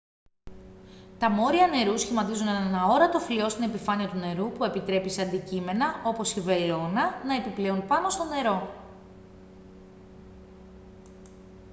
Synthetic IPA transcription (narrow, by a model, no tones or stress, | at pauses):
t̪ɐmo̞ɾiɐne̞ɾusçimɐt̪izunenenɐo̞ɾɐt̪o̞flio̞st̪ine̞pifɐniɐt̪une̞ɾupue̞pit̪ɾe̞pisɐnd̪icime̞nɐo̞po̞sive̞lo̞nɐnɐe̞piple̞unpɐno̞st̪o̞ne̞ɾo̞